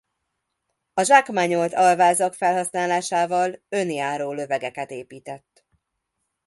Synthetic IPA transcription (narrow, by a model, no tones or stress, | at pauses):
ɒʒakmaɲolt̪ɒlvaːzɒkfɛlɦɒsnaːlaːʃaːvɒlønjaːɾoːlø̞vɛɡɛkɛt̪eːpiːt̪ɛt̪ː